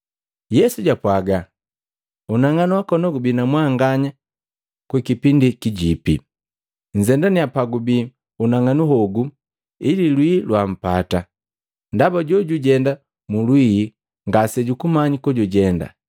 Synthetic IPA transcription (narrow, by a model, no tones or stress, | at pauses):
jɛsuɟapwaɡa | unaŋanuwakɔnɔɡubinamwaŋɡaɲa | kwikipindikiɟipi | ɲ̩zɛndaniapaɡubi | unaŋanuɦɔɡu | ililwilwam̩pata | ndabaɟɔɟuɟɛnda | mulwiː | ŋɡasɛɟukumaɲikɔɟuɟɛnda̰